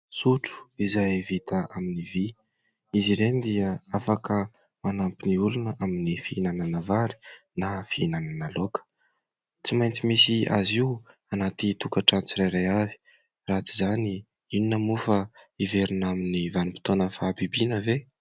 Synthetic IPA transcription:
suʈ͡ʂu̥izajvit̪aaminivi | iziɾenid̪iəafakə | manampiniulunəʔaminifiinananəvaɾi̥ | nafiinananəlokə̥ | t͡simajnt͡simisia̰ziuanat̪it̪ukaʈ͡ʂant͡siɾajɾajavi̥ | rat͡si̥zani | ininəmufaiveɾinaminivanimpit̪onəfabibinəve

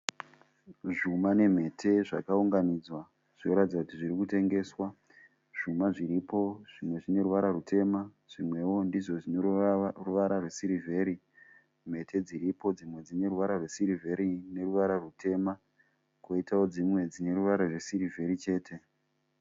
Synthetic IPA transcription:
ʐumane̞m̤e̞tʰe̞ʐa̰kauŋɡanid͡zwa | ʐ̥ino̞ɾatid͡zakutiʐiɾikute̞ŋɡe̞ːswa | ʐ̥umaʐiɾipo̞ʐ̥imwe̞ʐine̞ɾuʋaɾarutʰe̞ma | ʐ̥imwe̞wo̞ndiʐo̞ʐinruʋaɾarwesiɾivʱe̞ɾi | m̤e̞tʰe̞d͡ziɾipo̞d͡zimwe̞d͡zine̞ruʋaɾarwesiɾivʱe̞ɾine̞ruʋaɾarutʰe̞ma | koitao̞d͡zimwe̞d͡zine̞ɾuʋaɾarwe̞siɾive̞ɾit͡ʃe̞ːtʰe̞

